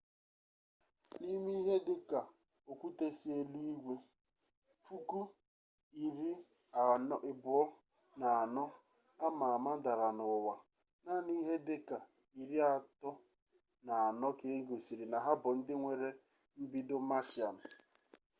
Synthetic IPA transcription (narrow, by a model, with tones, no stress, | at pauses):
ni˦mi˦ɦe˦dɪ˦ka˨ | o˨kʷu˦te˦si˦e˦li˦i˦ɡʷe˦ | fu˦ku˦ | i˨ɾi˦˨˦ | ɪ˨bʊ˨ɔ˦ | na˨a˨nɔ˦ | a˦ma˨a˨ma˦n̩˦da˨ɾa˨nʊ˨wa˨ | na˦ni˦ɦe˦dɪ˦ka˨ | i˨ɾi˦a˨tɔ˦ | na˨a˨nɔ˦ke˦ŋ̩˦ɡo˨si˨ɾi˨na˨ɦa˦bʊ˨n̩˦dɪ˦ŋʷe˨ɾe˦ | m̩˦bi˦dʊ˦ma˦ʃɪ˨a˨m̩˨